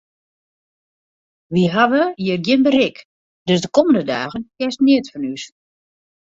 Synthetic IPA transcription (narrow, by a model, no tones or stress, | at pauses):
ʋiɦaʋəjəərɡjɪnbərɪk | d̥øsdəkɔməndəda̰ːɣənkjɛstnɪətfɔnys